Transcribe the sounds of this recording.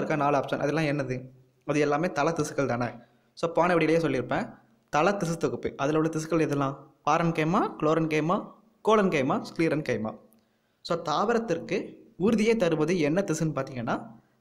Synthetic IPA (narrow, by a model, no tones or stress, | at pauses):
ɾɯkːãːnaːlaːpsɐnʔɐ̰ðɛlːãːɛnːɐðɯ | ɐðɯɛlːaːmeːt̪ɐlɐt̪ːɪsɯ̥kːɐɭt̪aːnɐ | soːpaːnɐʋɐɽɪjɪlɐjeːs̬ɔlːɪɾɯpːẽː | t̪ɐlɐt̪ːɪsɯt̪ːɔkːɯpːɯ̰ʔɐðɪlɐʋɽɐt̪ɪs̬ɯ̥kːɐlɛðɛlːãːpaːɾɐnkɐːmaːkloːɾɐnkeːmaː | koːlɐnkeɪmaːskliːɾɐnkɐɪma̰ː | soːt̪aːʋɐɾɐt̪ːɪrkɯʊɾʊðɪjeːt̪ɐɾɯʋɐðɯɛnːɐt̪ɪsɯnɯpaːɾt̪iːŋɡɐnːaː